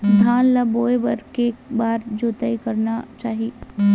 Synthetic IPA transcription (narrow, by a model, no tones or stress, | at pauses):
d̪ʱaːnlɐboːebɐɾkekbaːɾd͡ʒoːt̪aikɐɾnat͡ʃaːɦi